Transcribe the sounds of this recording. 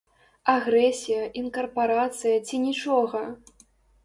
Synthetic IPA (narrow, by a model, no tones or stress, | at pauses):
aɣɾɛsʲijɐʔinkɐrpaɾat̪sɨjɐt͡sʲinʲit͡ʂɔɣɐ